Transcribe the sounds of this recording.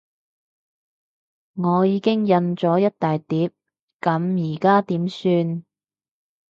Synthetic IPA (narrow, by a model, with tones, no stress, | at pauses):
ŋɔː˨˧jiː˨˧kɪ˥ŋjɐ˧nt͡sɔː˨˥jɐ˥t̚t̪aː˨jt̪iː˨˥p̚ | kɐ˨˧˥mjiː˨˩kaː˥t̪iː˨˥msyː˧n